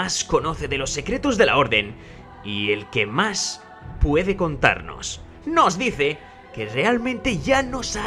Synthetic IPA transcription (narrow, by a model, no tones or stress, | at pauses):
asko̞no̞θeðelo̞sːe̞kɾet̪uzðe̞la̰o̞ɾðe̞n | ielke̞mas | pwe̞ðe̞ko̞nt̪a̰ɾno̞̰s | no̞zðiθe̞ | kere̞almẽnt̪e̞ʝano̞sa